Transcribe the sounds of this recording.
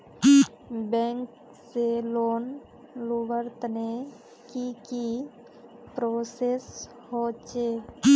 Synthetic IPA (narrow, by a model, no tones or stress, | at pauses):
bɛ̃ŋk | seloːn | lubəɾt̪ne | kiki | pɾoses | hot͡ʃe